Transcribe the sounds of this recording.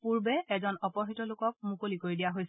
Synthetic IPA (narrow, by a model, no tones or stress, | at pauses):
puɹbɛɛzɔnɔpɔɦitɔlʊkɔk̚mukolikoɹidijaɦojs